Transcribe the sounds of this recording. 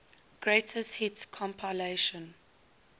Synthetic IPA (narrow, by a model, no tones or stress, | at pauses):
ɡ̥ɹeɪtʰəsthitkʰɔ̃mpʰaɪleʃə̃n